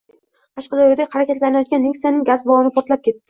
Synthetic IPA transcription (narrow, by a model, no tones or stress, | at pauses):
qʰɑʃqɑd̪ajod̪ahaɾakʲat̪lanajɒt̪ɡʲanːiksijanɪŋɡazbɒlˠɪnɪpʰɒɾt̪lap̚kʲe̞t̪ːɪ